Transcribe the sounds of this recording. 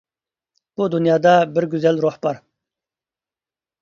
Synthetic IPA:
b̥ud̪unjɑːd̪ɑbɪɾɡʲyzɛlɾoħbɑɾ

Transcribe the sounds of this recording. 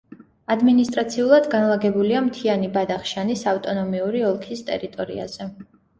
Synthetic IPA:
ad̪minist̪ʼɾat̪sʰiulˠad̪ɡanlˠaɡɛbuliamt̪ʰianibad̪aχʃanisaft̪ʼɔnɔmiuɾiɔlˠkʰist̪ʼɛ̰ɾit̪ʼɔɾḭa̰z̥ɛ

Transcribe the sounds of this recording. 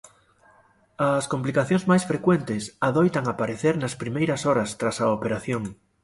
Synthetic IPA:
ɐskomplikaθjõŋzmajsfɾekwent̪ɪsaðojt̪ɐŋapaɾeθeɾnɐspɾimejɾɐsɔɾɐst̪ɾasɐopeɾaθjoŋ

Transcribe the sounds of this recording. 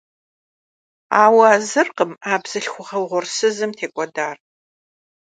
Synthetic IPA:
aːwaːzɨrqəmaːbz̥ɨɬxʷʊʁɐwʁʷʊrsɨzɨmtʰeːkʷʼɔdaːr

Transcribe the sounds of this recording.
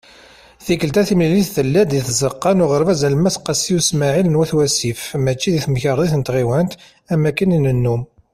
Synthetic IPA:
θikəlt̪æθimliliθθəlːæd̪iθzəqːɑnʊʁəɾvæzælmæsqːɑsiusmaʕilənwæθwæsifmæt͡ʃːiðiθməçəɾˤðˤiθənət̪ʁiwænt̪ | æmækːəninənːum

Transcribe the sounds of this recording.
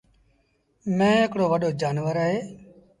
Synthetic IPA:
mɛ̃ːekɽoːʋəɗoːd͡ʒaːnʋəɾəɦeː

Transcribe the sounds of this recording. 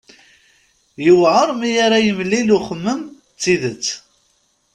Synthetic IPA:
jəwʕəɾˤmijaɾajəmlːiluχəmːəm | t͡sːiðət͡sː

